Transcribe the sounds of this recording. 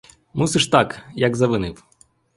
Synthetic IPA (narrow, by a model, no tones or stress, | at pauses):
musɪʂt̪akjɐɡzɐʋɪnɪw